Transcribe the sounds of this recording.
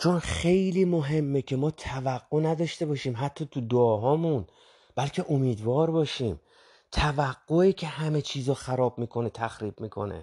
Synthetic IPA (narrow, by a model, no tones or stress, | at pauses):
t͡ʃʰo̞nxe̞jliːmo̞ɦe̞mːecʰe̞mɒːt̪ʰævæɡːo̞næd̪ɒːʃt̪e̞bɒːʃiːmɦæt̪ʰːɒːt̪ʰud̪oːɦɒːmun | b̥ælcʰe̞ʔomiːd̪vɒːɾbɒːʃiːm | t̪ʰævæɡːoiːcʰe̞hæme̞t͡ʃʰiːzɒːxæɾɒːbmiːkʰo̞ne̞t̪ʰæxɾiːbmiːkʰo̞̰nḛ